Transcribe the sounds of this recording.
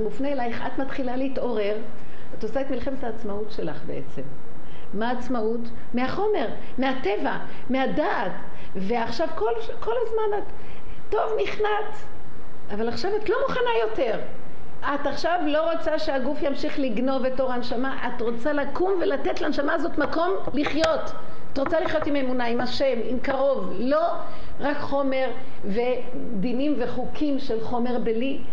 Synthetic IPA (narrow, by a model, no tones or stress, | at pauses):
mufnelajχat̪mat̪χilaleito̞ʁe̞ʁ | atosaetmilχemetaːt͡smautʃe̞laχbḛʔḛt͡semː | aːt͡smaut | meaχo̞me̞ʁ | meate̞va | meadaːt | ve̞aχʃavkolʃko̞lazmanatː | o̞vniχnat | avalaχʃavatlo̞muχanajo̞te̞ʁ | ʔataχʃavlo̞ʁot͡saʃeaɡufjamʃiχliɡno̞vetːo̞ʁanʃamaʔatʁo̞t͡salakumvelatetleanʃamazo̞tmako̞m | liχjo̞t | atʁot͡saliχjo̞timemunaimaʃe̞mimkaʁo̞v | lo̞ | ʁakχo̞me̞ʁ | ve̞ | d̪inimve̞χukʰimʃe̞lχo̞me̞ʁbeli